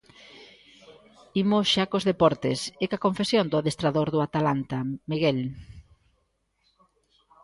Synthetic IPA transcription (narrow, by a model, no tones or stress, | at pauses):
imosʃakozðepɔɾt̪esekakoɱfesjond̪ʊaðest̪ɾaðoɾðʊat̪alant̪amiɣel